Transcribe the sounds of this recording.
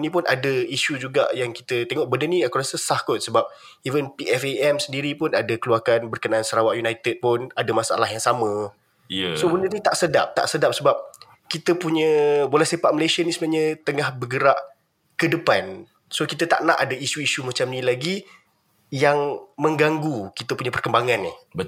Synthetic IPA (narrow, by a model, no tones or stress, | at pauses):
nipʊnʔa̰dəiʃud͡ʒuɡa̰ʔjaŋki̥t̪ət̪eŋɔʔbəndəniəkuɾasəsahkʊt̪̚səbap̚ | ivənpiɛfeɛmsəndiɾipʊnadəkəluakanbərkənaʔansəɾawaʔjunajt̪ɛd̚pʊnadamasaʔa̰lahjaŋsamə̃ | sobəndərnit̪aʔsəda̰p̚t̪a̰ʔsədap̚səbap̚ | kit̪əpuɲə̃bolɛhsepaʔ̚məlajsənisəmaɲət̪əŋahbəɡəɾaʔ | kədəpan | sokit̪ət̪aʔnaʔadaisuisumat͡ʃamnilaɡi | jaŋmə̃ŋɡaŋɡukit̪əpuɲəpərkəmbaŋãnːɪh